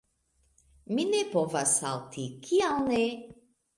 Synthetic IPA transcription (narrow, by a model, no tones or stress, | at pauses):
minepovasa̰lt̪ʰikʰialne